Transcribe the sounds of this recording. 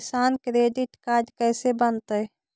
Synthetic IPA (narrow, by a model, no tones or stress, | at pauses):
sankɾeɖiʈkad͡ʒkəɪsebənt̪əj